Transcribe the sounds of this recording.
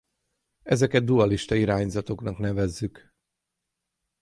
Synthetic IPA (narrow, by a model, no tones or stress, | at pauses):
ɛzɛkɛd̪̚d̪uɒliʃt̪ɒiɾaːɲzɒt̪o̞knɒknɛvɛzːyk